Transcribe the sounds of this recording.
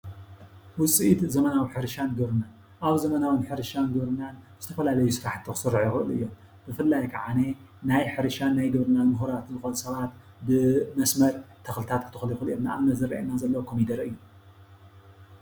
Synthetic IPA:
wʊsʼiʔit̪zɐmɐnawiħɨɾɨʃanɡɨβɾɨnan | ʔaβzɐmɐnawɨnħɨɾɨʃanɡɐβɾɨnanz̥ɨt̪ʰɐfɐlalɐjusɨɾaħt̪ʰːɨxɨ̥sɨɾʕjixɨʔɨlʔɨ̰jːo̞m | b̥ɨfɨlːajkʰaʕane | najħɨɾɨʃanːajɡɨβɾɨnanmuɦuɾat̪nɨxʼolsɐβat̪ | bɨmɐsmɐɾt̪ʰɐxlɨt̪ʰat̪kʰɨt̪ʰɨxljxɨlemna̰aβnɐzɨɾɐ̰ʔḛnːazɐlːɐwkʰomid̪ɐɾʔɨjːu

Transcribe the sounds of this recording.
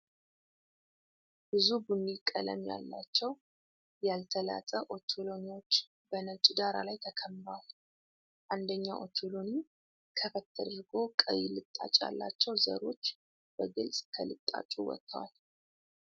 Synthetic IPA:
b̥ɨzubunikʼːələ̰mja̰lːat͡ʃːɛw | jalt̪ʰəla̰t̪ʼəʔo̞t̪ʰoloniwo̞t͡ʃː | bənət͡ʃʼd̪aɾa̰lajt̪ʰəkʰəmɾwal | ʔand̪əɲːaʔo̞̰t̪ʰolo̞ni | kʰəfət̪ʰːəd̪ɾɡo̞kʼəjɪlɨt̪ʼːa̰t͡ʃʼa̰lːa̰t͡ʃːɛwzə̰ɾo̞t͡ʃː | b̥əɡɨlsʼkʰəlɨt̪ʼːa̰t͡ʃʼuwɔ̰t̪ʰːəwa̰l

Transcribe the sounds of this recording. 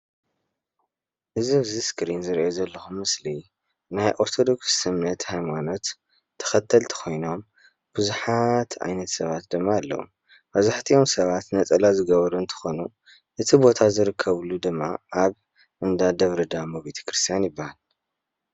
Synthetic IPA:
ʔɨzɨβziskɾinzɨɾʔozɐlːɐxumɨsli | najʔoɾt̪ʰo̞d̪o̞kssɨmnɐt̪hajmano̞t̪ʰː | ɐ̥xɐt̪ʰːɐlt̪ʰɐ̥kʰo̞jno̞m | b̥ɨzuħat̪ʰa̰jnɐt̪sɐβat̪d̪ɨmːaːlːɐ̰wṵ | b̥ɐzaħt̪ʰio̞msɐβat̪nɐt͡sʼɐlazɨɡɐβɐɾuɨnt̪ʰɐ̥xo̞nu | ʔɨt̪ʰibo̞t̪ʰazɨɾɨkʰːɐβlud̪ɨmːa̰ʔaβ | ʔɨnd̪ad̪ɐβɾɨd̪amobe̞t̪ʰɐ̥kɾɨst̪ʰijanjɪbːahal

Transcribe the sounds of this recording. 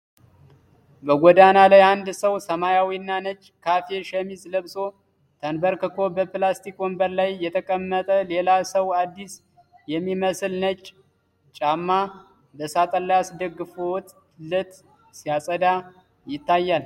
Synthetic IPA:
bəɡʷɔd̪analajand̪səwsəmajawinːanət͡ʃʼːkʰafeʃɛmisləβso̞ | t̪ʰənbəɾkɨkʰo̞bəplast̪ʰikʼwɔmbəɾlajːɛt̪ʰəkʼəmːət̪ʼəle̞lasəwad̪ːis | jɛmːiməsɨlnət͡ʃʼ | t͡ʃʼamːa | bəsat̪ʼəlajasd̪əɡːɨfowɔt̪ʼ | lɨt̪ʼ | sijasʼəd̪a | jɪt̪ːajːal

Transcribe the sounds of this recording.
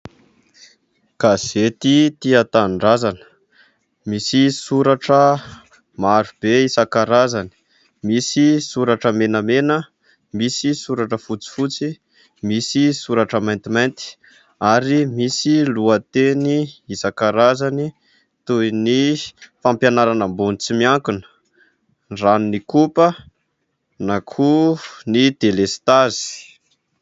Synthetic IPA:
kaz̥et̪it̪iat̪aɳɖ͡ʐazanə̥ | misisuɾaʈ͡ʂə | maɾub̥eisakaɾazani̥ | misisuɾaʈ͡ʂəmenəmenə | misisuɾaʈ͡ʂəfut͡si̥fut͡si | misisuɾaʈ͡ʂəmajnt̪imajnt̪i̥ | aɾimisiluət̪eniizakaɾazani | t̪ujnifampjanaɾanəmbunit͡simiaŋkunə̥ | rannikupə | nakʰunid̪̥elest̪azi̥

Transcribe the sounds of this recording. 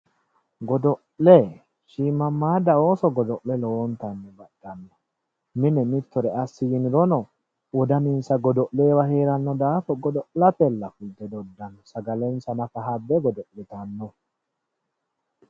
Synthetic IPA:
ɡɔd̪ɔʔlɛ | ʃiːmɐmːaːd̪ɐo̞ːsɔɡɔd̪ɔʔlɛloɔnt̪ɐnːɛbɐdːɐnːɔ | mɪnɛmɪt̪ːɔɾɛɐsːɪjɪnɪɾɔnɔ | wɔd̪ɐnɪnsɐɡɔd̪ɔʔleːwɐheːɾɐnːɔd̪aːfɔɡɔd̪ɔʔlɐt̪ɛlːɐfʊld̪ɛd̪ɔd̪ːɐnːɔsɐɡɐlɛnsɐnɐfɐɦɐbːɛɡɔd̪ɔʔlɛt̪ɐnːɔ

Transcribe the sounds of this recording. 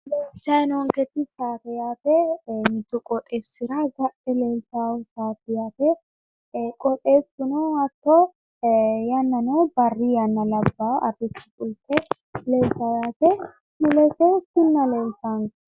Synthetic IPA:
leːlt͡ʃːɐjnɔŋkɛt̪ɪsaːt̪ɛjaːt̪ɛmɪt̪ʊkʼɔt̪ʼeːsːɪɾaɡɐʔɛleːltaːwʊsaːtɪjaːt̪ɛ | kʼɔt̪ʼeːsʊnɔɐt̪ːɔ | jɐnːɐnɐwbɐrːijɐnːɐlɐbːaɐrɪtːɪ̥kʼʊltːɛ | leːltɐjaːt̪ɛ | tʊlɛsɛkɪnːɐleːltaŋ

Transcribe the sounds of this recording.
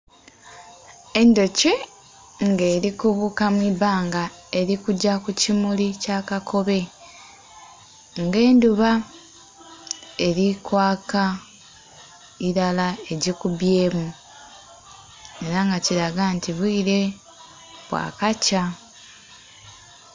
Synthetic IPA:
e̞ndo̞ce | ŋɡe̞ːɾikuβukamwiβaːŋɡa | e̞ɾikuɟːakucimulicaːkakʰo̞βe̞ | ŋɡe̞ːnduβa | eɾikwaːka | iɾalae̞ɟikuβje̞ːmu | e̞ɾaŋɡaciɾaɡantiβwiːɾe̞ | βwa̰ːkaca

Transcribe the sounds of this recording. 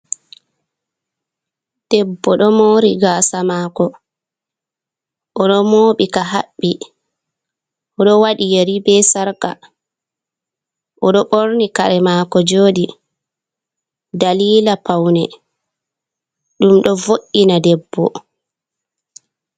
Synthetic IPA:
d̥ɛbːɔɗɔmoːɾiɡaːsamakɔ | ʔɔɗɔmoːɓikaɦaɓːi | ʔɔɗɔwaɗijeɾibɛsaɾka̰ | ʔɔɗɔɓoɾnikaɾɛmaːkɔd͡ʒoːɗi | daliːlapawnɛ | ɗumɗɔvoʔːinadɛbːɔ

